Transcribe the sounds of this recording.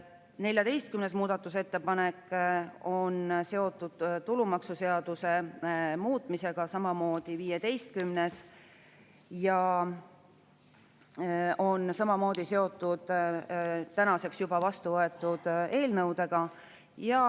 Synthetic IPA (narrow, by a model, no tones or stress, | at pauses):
ne̞lʲjɑd̪e̞jst̪̚kymne̞smuːd̪ɑt̪ːˑuse̞t̪ːe̞pɑne̞kːˑ | o̞nse̞o̞t̪ːˑud̪̥t̪ulumɑksuse̞ɑd̪̥use̞muːt̪ˑmise̞ɡ̥ɑsɑmɑmo̞ːd̪̥iviːje̞t̪e̞jst̪̚kymnes | jɑ | o̞nsɑmɑmo̞ːd̪̥ise̞o̞t̪ːˑud̪̥ | t̪ænɑse̞ksjubɑvɑst̪uvɤet̪ːˑud̪̥e̞ːlnɤwd̪e̞ɡ̥ɑ | jɑ